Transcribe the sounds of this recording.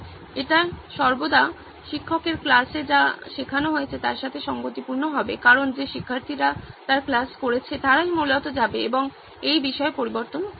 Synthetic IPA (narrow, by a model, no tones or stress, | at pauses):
eʈaʃɔɾbod̪a | ʃikʰːɔkeɾklased͡ʑaʃekʰanoɦojet͡ɕʰet̪aɾʃat̪ʰeʃɔŋɡot̪ipuɾnoɦɔbekaɾond͡ʑeʃikʰːaɾt̪ʰiɾat̪aɾklaskoɾet͡ɕʰet̪aɾajmulɔt̪od͡ʑabeeboŋ | ejbiʃɔepoɾiboɾt̪on